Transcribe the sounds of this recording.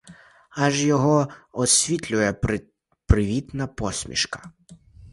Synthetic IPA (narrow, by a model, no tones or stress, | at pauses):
ɐʒjɔɦɔɔsʲʋʲit̪ʲlʲʊjɛ | pɾɪʋʲit̪nɐpɔsʲmʲḭʃkɐ̥